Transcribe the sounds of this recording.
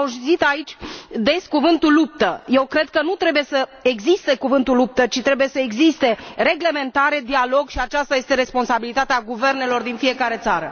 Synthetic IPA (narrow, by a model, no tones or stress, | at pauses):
auʃzit̪ait͡ʃʲd̪e̞skuvɨnt̪ulːup̚t̪əje̞wkɾe̞d̪̚kənut̪ɾe̞buje̞səeɡzist̪e̞kuvɨnt̪ulːup̚t̪ət͡ʃit̪ɾe̞buje̞səeɡzist̪e̞re̞ɡle̞me̞nt̪aɾe̞d̪ialo̞ɡʃiat͡ʃast̪aje̞st̪e̞ɾe̞spo̞nsabilit̪at̪eaɡuve̞rne̞lo̞rd̪infije̞kaɾe̞t̪saɾə